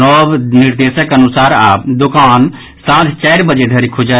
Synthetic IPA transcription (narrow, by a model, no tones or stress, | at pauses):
ɔbniɾd̪esəkənusaɾa̰d̪okan | sãt̪ʰt͡ʃaɪɾbəd͡ʒed̪ʱəɾikʰud͡ʒə